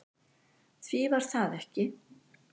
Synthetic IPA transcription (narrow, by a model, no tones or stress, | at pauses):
θvivaɾ̥θaðɛhcɪ